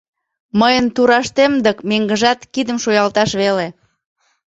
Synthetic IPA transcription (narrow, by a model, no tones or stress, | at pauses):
məjənt̪uɾɑʃt̪emd̪əkmeŋɡəʒɑt̪kid̪əmʃojɑlt̪ɑʃβele